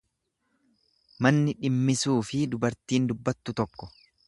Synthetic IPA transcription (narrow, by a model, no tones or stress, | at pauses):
mɐnːɪᶑɪmːɪsuːfɪd̪ʊbɐɾt̪iːnd̪ʊbːɐt̪ːʊt̪ɔkːɔ̥